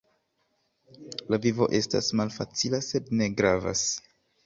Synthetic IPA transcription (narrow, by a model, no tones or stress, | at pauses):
lavivo̞̰ʔe̞sta̰smalfat͡silase̞dne̞ɡɾava̰s